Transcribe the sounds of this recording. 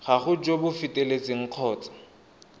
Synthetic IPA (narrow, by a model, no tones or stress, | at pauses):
χaχʊd͡ʒobʊfɪtʼelet͡sʼɪŋ̩q͡χʰɔːt͡sʼḁ